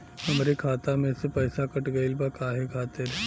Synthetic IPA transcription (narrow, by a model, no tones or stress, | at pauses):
hɐmɾekʰaːt̪amẽsepɛːsakɐʈɡɐɪlbakʰaːɦekʰaːt̪eɾ